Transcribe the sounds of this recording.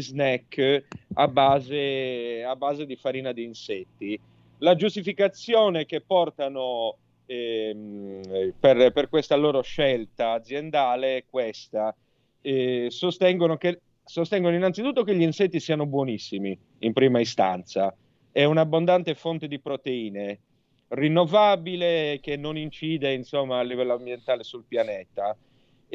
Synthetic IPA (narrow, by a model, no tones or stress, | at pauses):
znɛkː | a̰baːzeabːaːzed̪ifaɾiːnad̪iːnset̪ːi | lad͡ʒust̪ifikat̪sːjɔːnek̟epːɔrt̪ano | ɛm | perperkwest̪aloːɾoʃɛlt̪aːd̪zjend̪aːlekwest̪a | ɛsost̪ɛŋɡonoke | sost̪ɛŋɡonoinːant̪sit̪ut̪ːokeʎːiinset̪ːisiːanobwɔnisːimi | impɾiːmaist̪a̰nt̪sa | ɛunabːond̪ant̪efont̪ed̪ipɾot̪eiːne | rinːovabilek̟enːonint͡ʃiːd̪einsomːaːlːivɛlːoambjent̪aːlesulpjanɛːt̪a